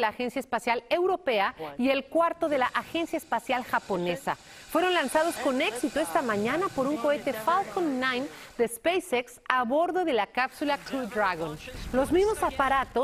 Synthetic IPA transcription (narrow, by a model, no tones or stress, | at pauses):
laːxe̞nsjaespasjale̞wɾo̞pe̞aie̞lkwaɾt̪o̞ðe̞laʔaxe̞nsjaespasjalxapo̞ne̞sa̰ | fwe̞ɾo̞nlansað̞o̞sko̞ne̞ksit̪o̞e̞st̪amãɲanapo̞ɾuŋko̞e̞t̪e̞falkonːajmd̪espejseksaβo̞ɾðo̞ðe̞lakapsulakud̪ɾaɣonlo̞zmizmo̞sapaɾat̪o